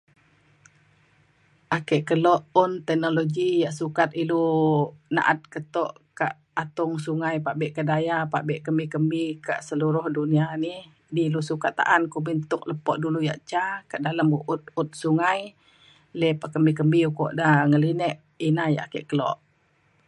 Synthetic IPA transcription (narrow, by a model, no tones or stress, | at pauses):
ʔakɛʔkəlɔʔʊnt̪ɛk̚noloɡijaʔsukat̪̚ilu | na̰ʔat̪̚kət̪ɔʔka̰ʔ | at̪ʊŋsuŋajpaʔbɛʔkadajapaʔbɛʔkəmbikəmbika̰ʔsəluɾʊhdunianih | dilusukat̪̚ːa̰ʔankubint̪ʊk̚ləpɔʔduluja̰ʔt͡ʃakaʔdaləmuʔut̪̚ut̪̚suŋaj | lɛpaʔkəmbikəmbiukɔ̰ʔdaŋəlinɛʔ | inaja̰ʔakɛ̰ʔkəlɔ̰ʔ